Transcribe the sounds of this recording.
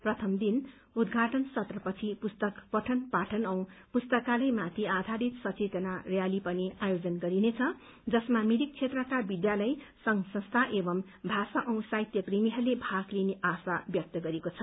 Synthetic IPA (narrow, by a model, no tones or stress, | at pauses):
prʌt̪ʰʌmd̪in | ud̪ɡʱaʈʌnsʌt̪rʌpʌt͡sʰipust̪ʌkpʌʈʰʌnpaʈʰʌnʌw̃pust̪ʌkalʌjmat̪ʰiad̪ʱaɾit̪sʌt͡set̪ʌnarjalipʌniajod͡zʌnɡʌɾinet͡sʰʌ | d͡zʌsmamiɾik̚t͡sʰet̪rʌkabid̪jalʌj | sʌŋsʌ̃st̪ʰaʔebʌm | bʱasaʔʌw̃sajit̪jʌprimiɦʌrlebʱaklineʔasabjʌk̚t̪ʌɡʌɾekot͡sʰʌ